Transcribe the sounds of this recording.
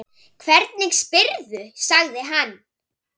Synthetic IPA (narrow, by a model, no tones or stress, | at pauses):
kʰvɛɾt̪̚nɪŋkspɪɾðʏsaɣðɪɦan